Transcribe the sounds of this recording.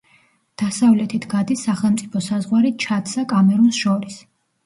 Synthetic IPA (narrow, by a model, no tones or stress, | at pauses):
d̪̥asavlɛt̪ʰit̪ʰɡad̪isːaχɛlˠmt̪sʼipʰɔsazʁwaɾit̪̚t͡ʃʰat̪sakʼamɛɾunsʃɔɾis